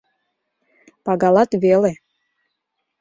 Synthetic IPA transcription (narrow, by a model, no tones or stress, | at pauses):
pɑɣɑlˠɑt̪βele